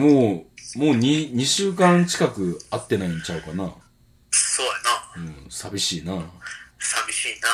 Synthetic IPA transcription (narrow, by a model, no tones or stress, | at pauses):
moːmoːɲ̟iɲ̟iɕɨːkãnt͡ɕi̥kakɯ̟at̪ːe̞naĩɲt͡ɕaɯ̟kana | soːjanaɯ̟̃sabʲiɕiːnasabʲiɕiːna